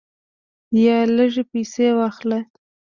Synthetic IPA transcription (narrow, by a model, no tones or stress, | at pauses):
jɑləʒepijsewɑxle